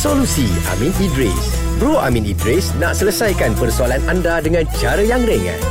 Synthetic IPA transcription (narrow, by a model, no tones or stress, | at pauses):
solusi | a̰mĩnidɾḛs | bɾoʔamĩnidɾesnãʔsələsajkanpərsoalanandadəŋãnt͡ʃaɾəjaŋɾəŋã̰